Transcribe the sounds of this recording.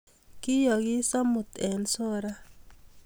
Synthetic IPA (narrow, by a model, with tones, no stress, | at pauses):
kɪ˦jɔ˨ɡɪ˦sɔ˦mʊ˨t̪ɛ˨nso˦ɾa˦